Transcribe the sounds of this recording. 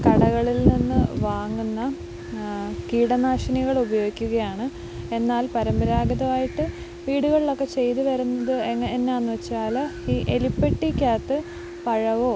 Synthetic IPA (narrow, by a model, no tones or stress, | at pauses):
kɐɽɐɣɐɭilninːɨʋaːŋːunːɐ | kiːɽɐnaːʂɐniɣɐɭubɐjo̞ːɡikʲːuɣɐjaːɳɨ | e̞nːaːlpɐɾɐmbɐɾaːɡɐðɐʋaːjiʈːɨ | ʋiːɽuɣɐɭiɭo̞kːe̞t͡ɕe̞jt̪ɨʋɐɾunːɐðɨeŋːenːeaːnːɨʋɐt͡ɕːaːlɐiːʔelipːeʈːikʲaːt̪ːɨ | pɐɻɐʋoː